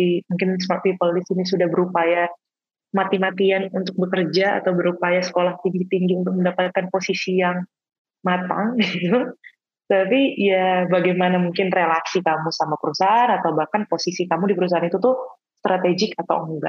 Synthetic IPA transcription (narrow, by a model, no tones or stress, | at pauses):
imuŋkɪnsmart̪̚pipəldisinisudahbəɾupaja | mat̪imat̪ianunt̪ʊk̚bəkərd͡ʒaa̰t̪awbəɾupajasə̥kolaht̪iŋɡit̪iŋɡiunt̪ʊk̚məndapat̪̚kanposisijaŋ | mat̪a̰ŋɡit̪u | t̪apijabaɡajmanamuŋkɪnrelasikamusamapəɾusaanat̪awbahkanposisikamudipəɾus̬aɦanit̪ut̪ʊ | st̪ɾʔat̪eɡɪkat̪a̰wəŋɡa̰